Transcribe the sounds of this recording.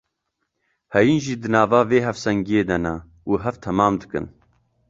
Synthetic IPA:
hɛjiːnʒiːd̪ɨnɑːvɑːveːɦɛfsɛŋɡijeːd̪ɛnɛ | uːɦɛvt̪ʰɛmɑːmd̪ɨkɨ̰n

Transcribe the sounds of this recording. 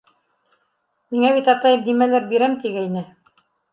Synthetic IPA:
miŋæβit̪ɑt̪ɑjɤd̪imælæɾbiɾæmt̪iɡæinɘ

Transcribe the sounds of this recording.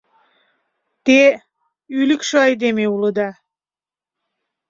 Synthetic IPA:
t̪e | ylikʃoɑjd̪emeulˠəd̪a

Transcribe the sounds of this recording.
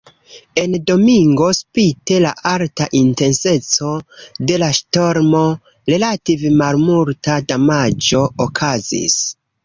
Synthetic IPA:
e̞ndo̞miŋɡo̞spite̞la̰ʔaltaʔinte̞nse̞t͡so̞de̞laʃto̞ɾmo̞ | ɾe̞lativemalmultadamad͡ʒo̞ːkʰazḭs

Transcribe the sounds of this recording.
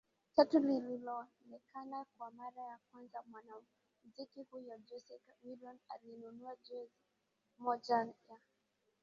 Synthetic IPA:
t͡ʃatulililɔ | nɛkʰanakwamaɾajakwanzamwana | muzikihujɔd͡ʒusɛkwilɔnalinunuad͡ʒuz | mɔd͡ʒana

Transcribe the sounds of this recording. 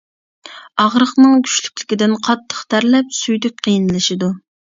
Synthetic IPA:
ɑʁɾəχnɨŋɡʲʰy̥ʃlykʲlɪ̥kʲid̪ɪnqʰɑt̪ʰːə̥χt̪ʰæɾlɛp̚sujd̪ɪk̚ʲqʰəjinlˠɨʃɪd̪u

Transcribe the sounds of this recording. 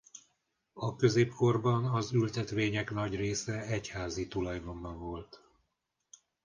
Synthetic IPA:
ɒkø̞zeːpko̞rbɒnɒzylt̪ɛt̪ʋeːɲɛknɒɟreːsɛɛchaːzit̪ulɒjd̪ombɒɱvo̞lt̪

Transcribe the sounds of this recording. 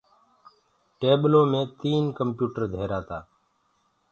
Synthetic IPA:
ʈeːɓlõːmẽːt̪iːnkəmpjuːʈəɾd̪ʱeːɾaːt̪aː

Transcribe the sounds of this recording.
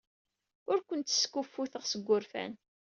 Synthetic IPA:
ʊɾkʷənt̪skːufːuθəʁsəɡʷːʊɾfæ̰n

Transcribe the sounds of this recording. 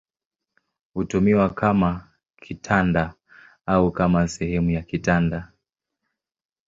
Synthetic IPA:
hutumiwakʰama | kʰitʰanda | aukamasɛhɛmujakitanda

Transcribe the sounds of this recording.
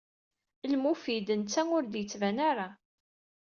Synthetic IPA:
lmufid̪ənt͡sːæʊɾd̪jət͡sːvænaɾˤa

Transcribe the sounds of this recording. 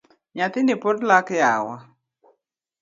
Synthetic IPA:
ɲat̪ɪnɪpɔdlakjawa̰

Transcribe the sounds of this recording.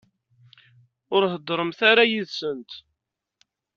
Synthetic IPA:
ʊɾɦəd̪ːɾˤəmθaɾajiðsənt̪

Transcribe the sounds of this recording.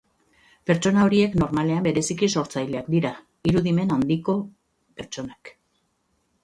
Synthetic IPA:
pe̞ɾt͡ʃo̞nao̞ɾie̞kno̞ɾmale̞ambe̞ɾe̞sikiso̞ɾt͡sajle̞akd̪iɾa | iɾuðime̞nand̪iko̞ | pe̞ɾt͡ʃo̞nak

